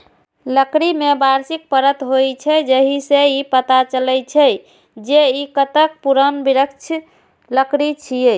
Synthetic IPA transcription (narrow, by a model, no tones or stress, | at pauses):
ləkɾimebaɾsik̚pəɾət̪ɦojt͡ʃʰɛd͡ʒəɦiseipət̪at͡ʃəlɛjt͡ʃʰɛ | d͡ʒeikət̪ək̚puɾənbiɾəkt͡ʃʰ | ləkɾit͡ʃʰije